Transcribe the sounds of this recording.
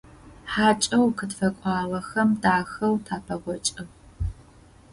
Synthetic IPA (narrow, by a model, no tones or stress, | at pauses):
ħaːt͡ʃʼɐwkʰɨtfɐkʷʼɑːʁɐxɐmdaːxɐwtʰaːpʰɐʁʷɔt͡ʃʼɐ